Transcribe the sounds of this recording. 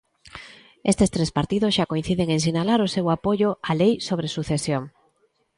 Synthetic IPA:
est̪est̪ɾespaɾt̪ið̞osʃakoin̟θið̞eŋeŋsinalaɾosewapoʎoalejsoβ̞ɾesuθesjoŋ

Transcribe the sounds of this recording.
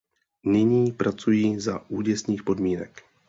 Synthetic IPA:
nɪɲiːpɾat͡sujiːzaʔuːɟɛsniːxpo̞dmiːnɛk

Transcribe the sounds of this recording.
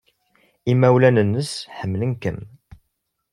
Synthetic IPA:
imæwlænənːəsħəmːlənkə̰m

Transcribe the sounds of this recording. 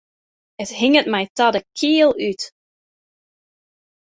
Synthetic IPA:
əthɪŋət̚mɛjtɑdəkʰiəlˠyt

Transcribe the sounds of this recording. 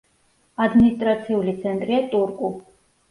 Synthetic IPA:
ad̪minist̪ʼɾat̪sʰiulit̪sʰɛnt̪ʼɾiat̪ʼuɾkʼu

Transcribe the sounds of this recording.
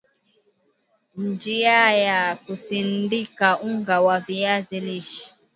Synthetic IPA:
n̩d͡ʒiajakusindikauŋɡawaviaziliʃi̥

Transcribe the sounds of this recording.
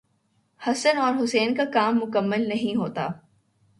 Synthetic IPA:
hɐsənɔːɾɦʊsɛːnkakaːmːʊkəmːəlnɐɦĩɦoːt̪a̰ː

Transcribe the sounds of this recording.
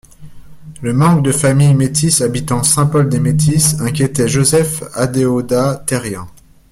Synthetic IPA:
ləmɑ̃k̚d̪əfamijmet̪ʰisabit̪ɑ̃sɛ̃pɔld̪emet̪ʰisɛ̃kʲjet̪ɛʒozɛfad̪eod̪at̪ɛʁjɛ̃

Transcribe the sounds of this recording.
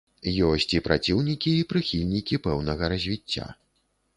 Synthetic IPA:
jɔsʲt͡sʲipɾʔat͡sʲiwnʲikʲiːpɾɨxʲilʲnʲikʲipɛwnɐɣɐɾɐzʲvʲit͡sʲːa̰

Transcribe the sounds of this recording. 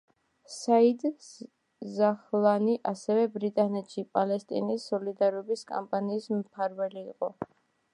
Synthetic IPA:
said̪ | zaχlˠaniʔasɛvɛbɾit̪ʼanɛt̪ʃipʼalɛst̪ʼḭnisːɔlid̪aɾɔbiskʼa̰mpʼaniːsmpʰaɾvɛliːqʼɔ

